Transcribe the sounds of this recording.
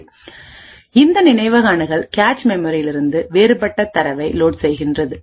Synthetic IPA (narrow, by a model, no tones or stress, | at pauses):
ɪnd̪ɐnɪnɐɪʋɐɣaːɳɯɣɐɭkaːt͡ʃmɛmɔɾijɪlɪɾɯnd̪ɯʋeːɾɯpɐʈːɐt̪ːɐɾɐʋɐɪloːʈsɛjɣɪndrɐðɯ